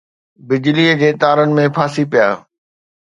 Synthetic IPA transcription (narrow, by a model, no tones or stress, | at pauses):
bɪd͡ʑliːəd͡ʑeːt̪aːɾənɪ̆mẽpʰaːsipijaː